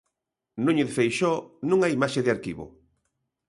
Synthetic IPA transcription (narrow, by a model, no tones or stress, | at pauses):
nũɲeðfejʃɔnũŋaimaʃeðeaɾkiβʊ̰